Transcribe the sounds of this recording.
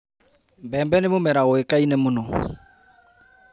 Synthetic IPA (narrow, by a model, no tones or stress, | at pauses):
bɛmbɛnɪmʊmɛɾaɣʊekainɛmʊnɔ